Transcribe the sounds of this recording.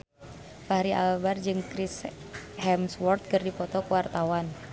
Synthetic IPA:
paɦɾiʔa̰lbard͡ʒɨŋkɾis | hɛmswɔrt̪̚kərdipɔt̪ɔkuwart̪awan

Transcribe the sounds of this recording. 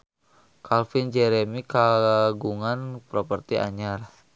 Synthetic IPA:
kʰalfind͡ʒɛɾɛmikaɡuŋanpɾopərt̪iʔa̰ɲar

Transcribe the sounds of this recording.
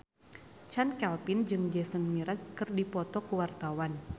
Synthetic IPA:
t͡ʃankɛlpɪnd͡ʒɨŋd͡ʒɛsənmiɾaskɨrdipɔt̪ɔkuwart̪awan

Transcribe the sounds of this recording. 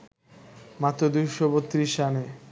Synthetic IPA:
mat̪ːod̪ujʃobot̪ːɾiʃane

